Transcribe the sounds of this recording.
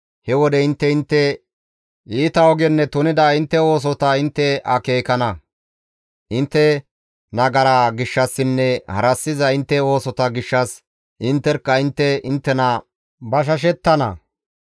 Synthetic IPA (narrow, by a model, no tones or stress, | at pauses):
hɛwɔd̪ɛɪnt̪ːɛɪnt̪ːɛ | iːt̪ɐɔɡɛnːɛt̪ʊnɪd̪ɐɪnt̪ːɛo̞ːs̬ɔt̪ɐɪnt̪ːɛɐke̞ːkɐnɐ | ʔɪnt̪ːɛ | nɐɡɐɾaɡɪʃːɐsːɪnːɛhɐ̰ɾɐsːɪzɐɪnt̪ːɛo̞ːsɔt̪ɐɡɪʃːɐs | ʔɪnt̪ːɛɾkːɐɪnt̪ːɛɪnt̪ːɛnɐ | bɐʃ̬ɐʃ̬ɛt̪ːɐnɐ̰